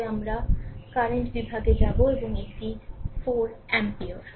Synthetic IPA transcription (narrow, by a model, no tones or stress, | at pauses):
amɾakaɾeɳʈbibʱaɡed͡ʑɛboeboŋek̚ʈifoɾɛ̃mpioɾ